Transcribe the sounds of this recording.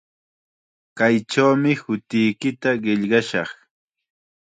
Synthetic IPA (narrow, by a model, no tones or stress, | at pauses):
kajʈ͡ʂawmɪhʊt̪ɪjkɪt̪aɢɪʎɢɑʃɑχ